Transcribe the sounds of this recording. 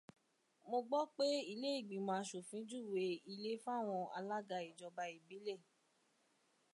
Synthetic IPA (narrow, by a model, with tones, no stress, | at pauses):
mo˧ɡ͡bɔ˦k͡pe˦i˦le˦i˦˨ɡ͡bĩ˨mã˧ʃu˨fĩ˨˦d͡ʒu˦˨we˨˧i˧le˦fũ˦a˦˨w̃ɔ̃˧a̰˧la˦ɡa˧i˨d͡ʒɔ˧ba˧i˦˨bi˨˦le˦˨